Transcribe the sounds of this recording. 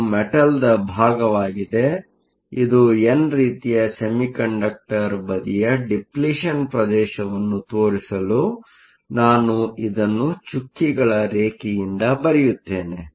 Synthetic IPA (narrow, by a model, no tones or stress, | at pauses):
mɛʈɐld̪ɐbʱaːɡɐʋaːɡid̪e̞ | id̪uenɾiːt̪ijɐsɐmikɐɳɖɐk̚ʈɐɾbɐd̪ijɐɖipliʂɐnpɾɐd̪ɛːʃɐʋɐnːut̪o̞ːɾisɐlu | naːnuid̪ɐnːut͡ʃukːiɡɐɭɐɾeːkijind̪ɐbɐɾijut̪ːe̞ːne